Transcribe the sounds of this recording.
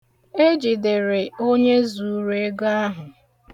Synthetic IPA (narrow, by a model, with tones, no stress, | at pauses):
e˦d͡ʒi˨dɪ˨ɾɪ˨o˦ɲe˦zu˨˦ɾe˦ɡa˦ɦʊ˨